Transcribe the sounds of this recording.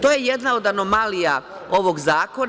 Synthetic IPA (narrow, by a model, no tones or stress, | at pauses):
t̪o̞jejed̪nao̞d̪ano̞malija | o̞ʋo̞ɡzaːko̞n